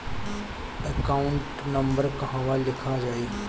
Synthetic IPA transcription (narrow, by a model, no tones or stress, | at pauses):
əkaːʊɳʈnɐmbəɾkɐɦãʋalɪkʰad͡ʒaːeː